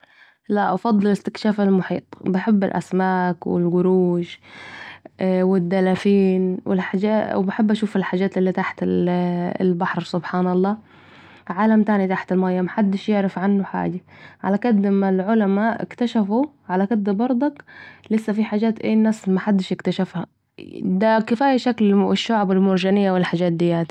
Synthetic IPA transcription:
laʔʔfɑd̪ˤːɑlɪst̪ɪkʃaːfalmʊħḭːt̪ˤbɪħɪbːɪ̰lʔa̰smaːkwɪ̰lɡʊɾuːʃ | wɪd̪ːalafiːnwɪ̰lħaawbaħɪbːʔaʃuːfɪlħaːd͡ʒːaːt̪ɪlːit̪aħt̪ɪ | lbaħɾsʊbħaːnɑlˤːɑː | ʕaːlamt̪aːnit̪aħt̪ɪlmaːjːamaħad̪ːɪʃjɪʕɾɪfʕanːʊħa̰ːd͡ʒaʕa̰lakɪd̪ːɪmːalʕʊlamaʔɪ̰kt̪aʃafu | ʕalakɪd̪ːbɑɾˤd̪ˤɑklɪsːafiħaːd͡ʒaːt̪ʔeːnːaːsmaħad̪ːɪʃɪkt̪aʃafha | d̪akɪfaːjaʃaklɪʃːʊʕbɪlmʊɾʒanɪjːawɪlħad͡ʒːaːt̪̚d̪ɪjːaːt̪i̥

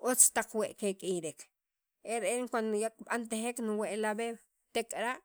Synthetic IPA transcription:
ʔot͡st̪aq͡χweʔkekʼiɾek | eɾelŋkwand̪ojakɓant̪exeknuweʔlabew | t̪ekʼɾaʔ

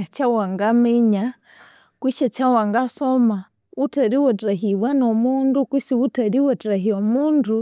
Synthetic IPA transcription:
t͡ʃawaŋɡamɛɲa | kwiʃɛt͡ʃawaŋɡasɔma | utɛɾiwɛtɛɦiwwanɔmundukwisiutɛɾiwɛtaɦiɔmundu

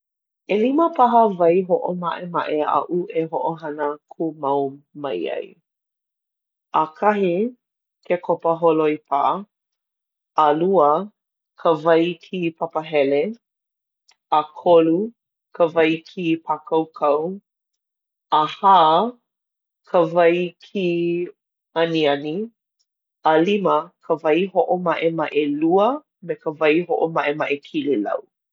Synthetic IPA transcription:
eliməpʰaɦəvɐjɦoʔomaʔema̰ʔea̰ʔuʔeɦoʔoɦɐnəkʰumawmɐ̰jɐ̰j | akʰaɦi | kʰekʰopəɦoloipʰaʔ | luə | kʰəvɐjkʰipʰapəɦɛle | ɐkʰolu | kʰəvɐjkʰipʰakʰɐwkʰɐw | ahaː | kʰəvɐjkʰi | ɐniɐni | aliməkʰəvɐjhoʔomɐʔemɐʔeluə | mekəvɐjho̰ʔomɐʔemɐʔekʰililɐ̰w

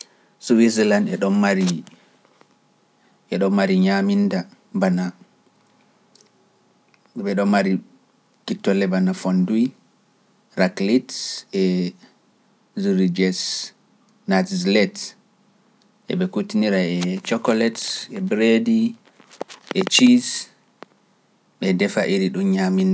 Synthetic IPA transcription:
suwislandɛɗɔnːaɾi | ɛɗɔmːaɾiɲaminda | bana | ɓɛɗɔmːaɾi | kitːɔlɛbanafɔnduj | ɾaklitɛ | ziɾid͡ʒɛs | natzlɛt | ʔɛ̰ɓɛkutiniɾaɛt͡ʃɔkɔlɛtɛbɾedi | ʔɛt͡ʃis | ɓɛdɛfaʔiɾiɗunɲaminda

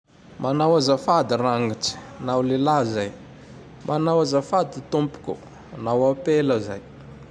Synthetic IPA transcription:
mʔanawazəfad̪iraŋiʈ͡ʂi̥ | nawlelazaj | mʔanawazəfad̪it̪umpu̥kʲṵ | nawapeləzaj

